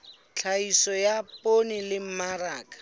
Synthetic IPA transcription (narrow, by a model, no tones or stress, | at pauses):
t͡ɬʰaisɔjapʼonɪlɪm̩maraːkḁ